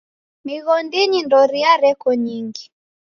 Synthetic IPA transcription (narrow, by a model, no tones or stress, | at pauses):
miɣɔndinindɔɾiaɾɛkɔɲiŋɡi